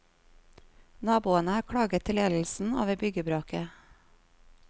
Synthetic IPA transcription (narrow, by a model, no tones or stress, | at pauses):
nɑːbuːənəɑːɾkʰɽɑːɡət̪ʰːɪlɛll̩sn̩ɑ̰ːʋeːbʏɡəbɾoːkə